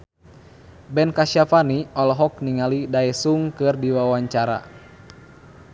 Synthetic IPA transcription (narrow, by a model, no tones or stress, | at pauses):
bɛnkaʃafaniɔlɔɦɔk̚niŋalidaɛsuŋkɨrdiwawaɲt͡ʃaɾa̰